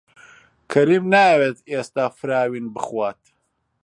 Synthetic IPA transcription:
kʰɐɾiːmnaːweːt̪eːst̪aːfɨɾaːwiːnbɨxwaːt̪

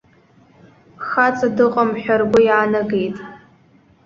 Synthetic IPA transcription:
xat͡sʼadɨqʼamħʷᶣarɡʷʊjaːnɐɡejtʼ

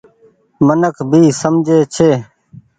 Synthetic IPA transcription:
mənəkʰbʱiːsəmd͡ʒʱeːt͡ʃʰeː

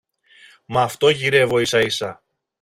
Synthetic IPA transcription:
mɐːft̪o̞ʝiɾe̞vo̞isɐisɐ

